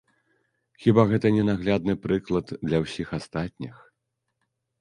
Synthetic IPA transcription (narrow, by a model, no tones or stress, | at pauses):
xʲibaɣɛt̪ɐnʲɛnaɣlʲad̪̚nɨpɾɨklˠɐd̪d̪lʲɐwsʲixast̪at̪̚ʲnʲix